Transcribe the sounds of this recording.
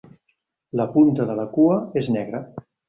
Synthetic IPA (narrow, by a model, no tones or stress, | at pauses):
ləpunt̪əðələkuəeznɛɣɾə